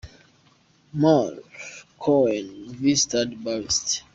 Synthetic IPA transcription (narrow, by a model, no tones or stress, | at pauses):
mafkʰɔɛ̃nvistadbaɹist